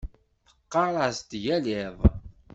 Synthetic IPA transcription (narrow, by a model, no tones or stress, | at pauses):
θə̥qːɑɾˤɑst̪jælɪðˤ